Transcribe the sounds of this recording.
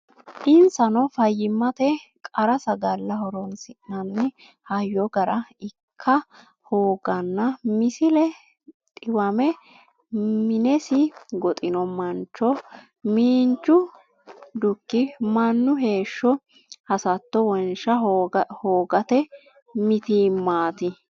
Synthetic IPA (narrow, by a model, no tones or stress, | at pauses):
ʔɪnsɐnɔfɐjːɪmːɐt̪ɛkʼɐɾɐsɐɡɐlːɐhɔɾɔnsɪʔnɐnːɪ | hɐjːɔɡɐɾɐɪkʰːɐ | hoːɡɐnːɐmɪsɪlɛ | t̪ʼɪwɐmɛ | mɪnɛsɪɡɔt̪ʼɪnɔmɐnt͡ʃːɔ | miːnt͡ʃːʊ | d̪ʊkːɪmɐnːʊɦe̞ːʃːɔ | hɐsɐt̪ːɔwɔnʃɐhoːɡɐt̪ɛ | mɪt̪iːmaːt̪ɪ